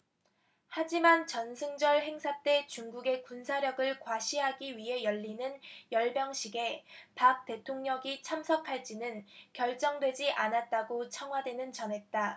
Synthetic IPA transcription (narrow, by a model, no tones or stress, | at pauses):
had͡ʑimant͡ɕʌnsʰɯŋd͡ʑʌɭhe̞ŋsʰat͈e̞t͡ɕuŋɡuɡe̞kunsʰaɾjʌɡɯɭkwaɕʰiɦaɡiɥiɦe̞jʌʎːinɯnjʌɭbjʌŋɕʰiɡe̞pak̚t͈e̞tʰoŋɲʌŋit͡ɕʰamsʰʌkʰaɭt͡ɕ͈inɯnkjʌɭt͡ɕ͈ʌŋdwe̞d͡ʑiʔanat̚t͈aɡot͡ɕʰʌŋɦwadwe̞nɯnt͡ɕʌnɦe̞t̚t͈a